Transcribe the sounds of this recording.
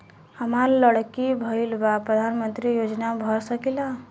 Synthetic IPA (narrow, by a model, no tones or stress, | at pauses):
həmaɾləɽkibʱəilbapɾəd̪ʱanmənt̪ɾijod͡ʒnabʱəɾsəkila